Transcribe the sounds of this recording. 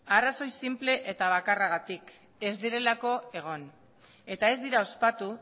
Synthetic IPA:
araso̞jsimple̞ʔet̪aβakaraɣat̪ik | e̞zd̪iɾe̞lako̞e̞ɣ̞o̞n | e̞t̪ae̞zd̪iɾao̞spat̪u

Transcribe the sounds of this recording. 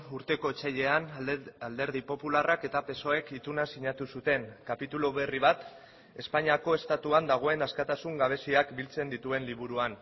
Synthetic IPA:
uɾt̪e̞ko̞et͡ʃaʎe̞anald̪e̞ɾð̞ipo̞pularake̞t̪ape̞so̞e̞kit̪unasiɲat̪usut̪e̞ŋkapit̪uloβe̞riβ̞at̪ | e̞spaɲiako̞e̞st̪at̪uand̪aɣ̞o̞e̞naskat̪asuŋɡaβ̞e̞siakbilt͡se̞nd̪it̪ue̞nliβ̞uɾuan

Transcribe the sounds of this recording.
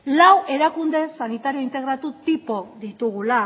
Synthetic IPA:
lawʔe̞ɾakund̪e̞sanit̪aɾio̞int̪e̞ɣɾat̪ut̪ipo̞ðit̪uɣ̞ula

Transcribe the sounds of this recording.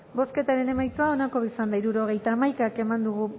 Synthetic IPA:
bo̞ske̞t̪aɾe̞ne̞majt͡soao̞nako̞βisand̪aiɾuɾoɣ̞e̞jt̪aːmajkake̞mand̪uɣ̞u

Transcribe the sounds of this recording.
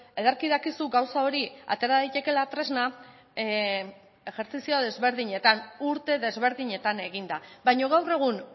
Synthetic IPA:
eðaɾkiðakisuɡawsao̞ɾia̰t̪e̞ɾaðit̪e̞ke̞lat̪ɾe̞zna | e̞ɣe̞ɾt͡sisioðe̞zβe̞ɾðiɲe̞t̪anuɾt̪e̞ðe̞zβe̞ɾðiɲe̞t̪ane̞ɣind̪aβajɲo̞ɣawre̞ɣ̞un

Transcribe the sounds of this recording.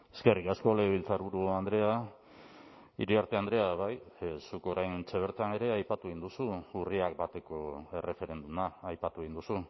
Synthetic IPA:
e̞ske̞rikasko̞le̞βilt͡saɾβuɾuand̪ɾe̞a | ḭɾiaɾt̪e̞and̪ɾe̞aβajsuko̞ɾajnt͡se̞β̞e̞ɾt̪ane̞ɾe̞ajpat̪ue̞ind̪usuuriak̚bat̪e̞ko̞e̞re̞fe̞ɾe̞nd̪umaːjpat̪uɣ̞ind̪usu

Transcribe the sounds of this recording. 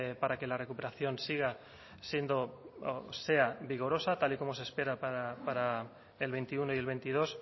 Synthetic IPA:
paɾake̞lare̞kupe̞ɾaθjo̞nsiɣ̞a | sje̞nd̪o̞ose̞aβiɣ̞o̞ɾo̞sat̪aliko̞mose̞spe̞ɾapaɾapaɾa | elβe̞nt̪iunoje̞lβe̞jnt̪ið̞o̞s

